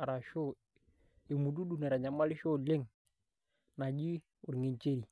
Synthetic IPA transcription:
a˨ɾa˨ʃo˦ | e˨mu˨du˦du˦nɛ˨ɾa˨ɲa˨ma˦lɪ˦ʃo˦le˦ŋ | na˨d͡ʒi˦ | ʊ˨ɾŋe˨ɲt͡ʃe˦ɾi˨

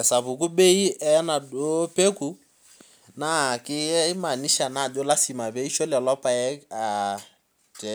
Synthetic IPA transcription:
ɛ˨sa˨βu˨k̬u˦ɓe˦i˦ʔɛ˦na˨dɔ˦pe˦ku˨ | na˦˨kɪ˦ma˨ni˦ʃa˨na˨dɔ˦la˦si˨ma˨βe˦i˦ʃɔ˦lɛ˨lɔ˦pa˦ɛ˦a˨ | tɛ˦

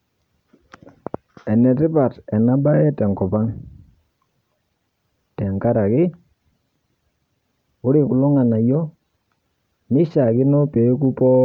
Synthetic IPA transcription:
ɛ˨nɛ˨tɪ˦pa˨tɛ˨na˦ba˦ɛ˦tɛ˨ŋkɔ˨pa˦ŋ | tɛ˨ŋka˦ɾa˨kɪ˦ | ʊ˦ɾɪ˨kʊ˨lɔ˦ŋa˨na˨jɔ˦ | nɪ˦ʃa˨kɪ˦nɔ˦pe˨˦k̬u˦pɔ˦

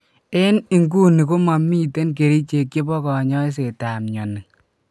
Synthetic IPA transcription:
e˦ni˨ŋɡu˦ni˨ko˦ma˨mi˦te˦nk̬e˨ɾi˦t͡ʃe˨kje˦pɔ˦kɔ˨ɲɔ˦ɪ˦s̬e˨ta˨mɲɔ˨nɪ˨ŋ

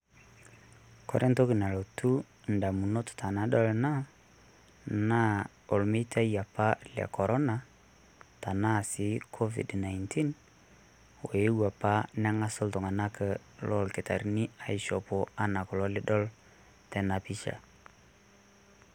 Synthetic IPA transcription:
kɔ̰˦ɾʔɛ˦nto˦ki˨na˨lo˨tu˦ | n̩da˨mu˨no˦tʊ̥˨tʰa˨na˦ɗɔ˦lna˦ | na˦ | o˨lme˦tʰa˦ja˨pa˦lɛ̰˨kɔ˨ɾɔ˦na˦ | ta˨na˦˨sɪ˨˦kʰo˦vḭ˨dna˨jntʰi˦n | wo˨je˦wa˨pa˦na˦ŋa˦sɔ˦ltɔ˨ŋa˨na˦kə˨ | lɔ˦lkɪ˨ta̰˨ɾni˦a˨i˨ʃɔ˨pɔ˨a˦na˨kɔ˨lɔ˦lɪ˦ɗɔ˦l | tɛ˨na˨pi˦t͡ʃa̰˨

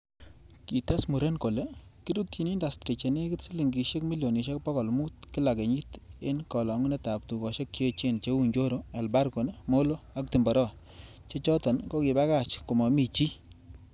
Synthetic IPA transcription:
ki˨ta˦smu˨ɾe˦nko˨le˦ki˦ɾu˦tji˨ni˦nda˨stɾi˨t͡ʃe˨ne˦ki˦tsi˦li˨ŋɡi˨ʃe˦kmi˦ljo˨ni˨ʃ̬e˦k̚pɔ˦kɔ˨lmu˦t̚ki˦la˨ke˨ɲi˦te˦nkɔ˨lɔ˨ŋu˦ne˦ta˨p̚tu˨kɔ˨ʃe˦kt͡ʃe˦t͡ʃe˦nt͡ʃe˦u˨ɲd͡ʒo˦ɾo˦ɛ˨lba˦ɾko˨nmo˦lo˦a˨k̚ti˨mbɔ˨ɾɔ˦ | t͡ʃe˦t͡ʃɔ˦tɔ˨nko˦ki˨ba˦ka˦˨t͡ʃku˨mɔ˨mi˨t͡ʃi˦

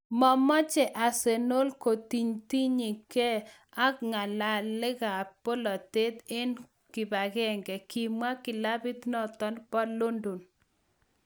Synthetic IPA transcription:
mɔ˨mɔ˦t͡ʃɛ˨ʔa˨se˨no˦lko˨t̪i˨ɲt̪i˦ɲi˨kɛ˦ | a˦kŋa˨la˨lɪ˦ɣa˨po˦lɔ˨t̪e˦t̪e˦n | kɪ˨ba˨ɣɛ˦˨ŋɡɛ˨ki˨mwa˦kɪ˨la˦bi˦t̪nɔ˦t̪ɔ˦npɔ˦lo˦ndo˨n

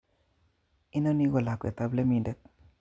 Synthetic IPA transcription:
i˦no˦ni˦ɡo˨la˨kɛ̰˨t̪a˦ble˦mi˨ndɛ˦k̚

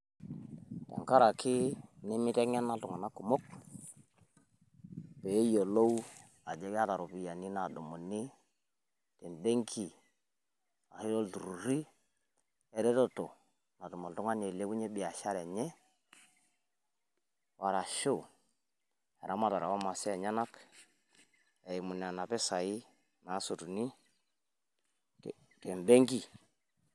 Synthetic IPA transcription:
ta̰˨ŋka˦ɾa˨kʰɪ˦nɛ˦mɪ˦tɛ˦ŋɛ˦na˦tu˨ŋa˨na˦ku˨mo˦k̚ | pɛ˨˦jo˨lo˦w | a˨d͡ʒɛ˦ɡa˦ta˨ɾɔ˨pi˨ja˨ni˦na˨dɔ˨mɔ˨ni˦ | tɛ˨nbe˦ŋkʰi˨ | a̰˨hi˦ɾɔ˦ldu˨ɾu˨ɾi˦ | ɛ˨ɾɛ˦tɔ˦tɔ˨ | na˨dɔ˨mɔ˨dɔ˦ŋa˦n˨ɛ˨le˦bu˦ɲɛ˦ɓɪ˨a˨ʃa˦ɾɛ˨ɲɛ˦ | wa˨ɾa˨ʃo˦˨ | ɛ̰˨ɾa˦ma˨ta˨ɾa̰˨wa˦ma˨si˦a˨ɲa˦na˦p | ɛ˨i˨mu˨n˨a˨na˨pɛ˦sa˨i˦ | na˨˦so˨tu˨ni˦˨ | tɛ˨m˨bɛ˦ŋɡi˦˨

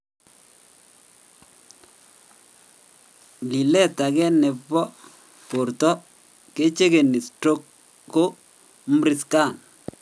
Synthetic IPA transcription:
li˨lɛ˦˨ta˨ɡɛ˦nɛ˨pːɔ˦ | po˨ɾtɔ˦ | ke˦t͡ʃe˦ɡe˨ni˨sto˦kː | o˦ | mɾɪ˨ska˦˨n

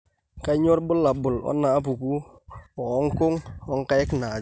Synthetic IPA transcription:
ka˦ɲo˦ɾbʊ˦la˨bʊ˨lɔ̰˦nːaː˨˦p̬u˨ku˦ | ɔ˨˦ŋkʊ˦ŋɔ˦ŋka˦jɪ˦kna˨

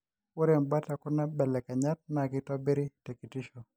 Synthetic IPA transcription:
ʊ˦ɾe˨mba˦ta˨kʊ˦na˦bɛ˨lɛ˨ka˨ɲa˦t̚na˨ɡɪ˦tɔ˦bɪ˦ɾi˦tɛ˨ki˨ti˦ʃo˨

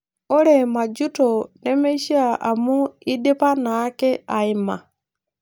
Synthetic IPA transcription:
o˦ɾe˨ma˨d͡ʒu˦to˨nɛ˦me˦ʃi˦a˦˨a̰˨mu˦i˦de˦pa˦na˨˦kɛ˦a˨i˦ma˨

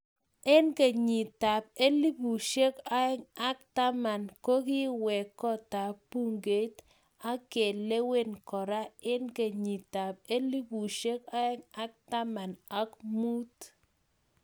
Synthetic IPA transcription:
e˦nke˨ɲi˨ta˨p̚e˦li˦bu˨ʃe˦ka˦ɛ˦ŋa˦k̚ta˦ma˨nko˦ki˦wɛ˨kːɔ˦ta˨pu˦ŋɡe˨˦t̪ | a˦ke˨le˦we˦nkɔ˨ɾa˦e˦nke˨ɲi˨ta˨p̚e˦li˦bu˨ʃe˦ka˦ɛ˦ŋa˦k̚ta˦ma˨na˦kmu˦t

